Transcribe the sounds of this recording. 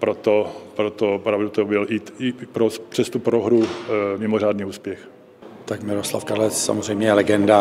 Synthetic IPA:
pɾot̪opɾot̪opɾavdut̪obɪlɪɪpɾospr̥ɛst̪upɾoɦɾumɪmoraːdniːuːspjɛx | t̪akmɪɾosla̰fkaɾlɛt͡ssa̰mozrɛjmɲɛɛlɛɡɛnda

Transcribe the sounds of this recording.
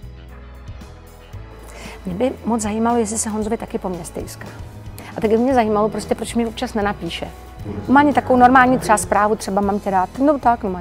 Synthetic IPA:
mɲɛbɪmot͡szajiːmalojɛs̬lɪsɛɦonzovɪt̪akɪpo̞mɲɛst̪ɛ̰jskaː | ʔat̪aɡbɪmɲɛzajiːmalopɾo̞scɛpɾo̞t͡ʃmɲɛopt͡ʃasnɛnapiːʃɛ̰ | omaːɲɪt̪akovowno̞ɾmaːlɲiːt̪r̥ɛaspɾaːvut̪r̥ɛbamamcɛɾaːt̪not̪aknoma

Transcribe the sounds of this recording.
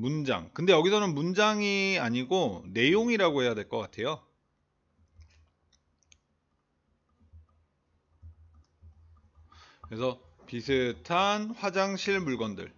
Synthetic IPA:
mund͡ʑa̰ŋkɯnde̞jʌɡisʰʌnɯnmund͡ʑaŋiaɲiɡone̞joŋiɾaɡoɦe̞jadwe̞ɭk͈ʌk͈atʰe̞jo | kɯɾesʰʌ | pisʰɯtʰanɸwad͡ʑaŋɕʰiɭmuɭɡʌndɯ̰ɭ

